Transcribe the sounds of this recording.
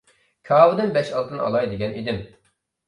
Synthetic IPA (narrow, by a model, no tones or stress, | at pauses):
kʲʰɑːwɨd̪ɪnbɛʃɑlˠt̪ɨnɑ̰lˠɑjd̪eɡʲɛnid̪ɪm